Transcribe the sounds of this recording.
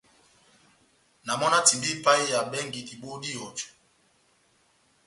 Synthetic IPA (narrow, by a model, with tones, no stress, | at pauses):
na˨mɔ˦na˦ti˨bi˦pa˦i˦ja˨ɓɛ˦ŋɡi˨ʔi˨ɓo˦ɗi˦ɔ˨d͡ʒɔ̥˨